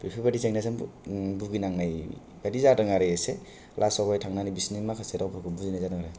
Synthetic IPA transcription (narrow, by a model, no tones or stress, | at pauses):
pɾipʰibadiseŋnasanbuɡinaŋnaj | badizadɯŋaɾejese | lʔasɔɡɔjtʰaŋnanibisnimakʰaseɾawpʰkɯbuzinazadaŋaɾaj